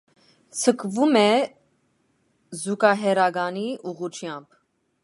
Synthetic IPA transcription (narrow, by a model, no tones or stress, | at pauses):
t͡sʰəkʰvumɛ | zukɑɦɛɾɑɡɑniʔuʁut͡ʃʰjɑmb̥